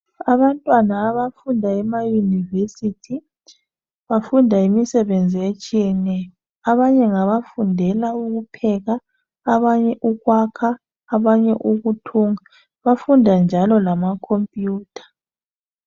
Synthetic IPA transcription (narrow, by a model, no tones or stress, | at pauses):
aβantʼwanaːβafundʱaɛmajunivesitʰi | βafundʱaimisɛβend͡zʱiet͡ʃʼijɛnɛjɔ | aβaɲɛŋaβafundʱɛlauɣupʰɛɣaː | βaɲɛʔuɣwakʰaː | βaɲɛʔuɣutʰuːŋa | βafundʱand͡ʒʱalɔlamakʰompʼjuːtʰḁ